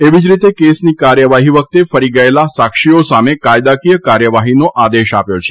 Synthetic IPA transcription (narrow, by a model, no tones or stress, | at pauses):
eʋid͡ʒɾit̪ekesnikaɾjəʋaɦiʋək̚t̪efəɾiɡəelasakʂiosamekajd̪akijəkaɾjəʋaɦinoʔad̪eʃapjot͡ʃʰe̥